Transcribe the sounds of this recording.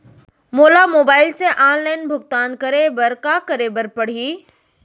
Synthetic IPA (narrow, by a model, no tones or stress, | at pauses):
moːlamoːbaːɪlsẽʔãːnlaːɪnbʱʊxt̪aːnkɐɾebɐɾkakɐɾebɐɾpɐɽ̤i